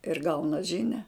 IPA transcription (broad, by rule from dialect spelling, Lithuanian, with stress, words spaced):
ɪr ˈɡɐʊnɐ ˈʒʲɪnʲɛ